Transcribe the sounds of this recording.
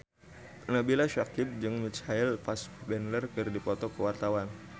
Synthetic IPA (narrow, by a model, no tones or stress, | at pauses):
nəbilaʃakib̚d͡ʒɨŋmit͡ʃhailfasbɛnlərkɨrdipɔt̪ɔkəwart̪awan